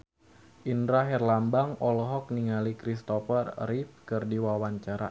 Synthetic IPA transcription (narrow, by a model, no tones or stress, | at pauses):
ʔindɾaɦɛrlambaŋɔlɔɦɔk̚niŋalikɾist̪ɔfərrif̚kɨrdiwawaɲt͡ʃaɾa̰